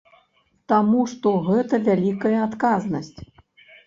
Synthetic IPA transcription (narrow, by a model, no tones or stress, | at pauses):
t̪amuʂt̪ɔɣɛt̪ɐvʲalʲikɐjɐat̪kaznɐsʲt͡sʲ